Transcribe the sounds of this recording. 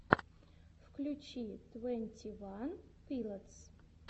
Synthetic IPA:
fkʰlʲut͡ʃʰitʼwenʲtʲʰivanpʰilat͡sʰ

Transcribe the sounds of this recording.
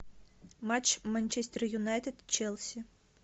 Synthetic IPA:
mat͡ʃmanʲt͡ʃɛsʲt̪ɛrjunajt̪ɛd̪t͡ʃɛlˠsʲi

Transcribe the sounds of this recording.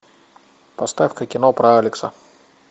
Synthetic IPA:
pɐst̪afkəkʲɪnopɾɐalʲɪksə

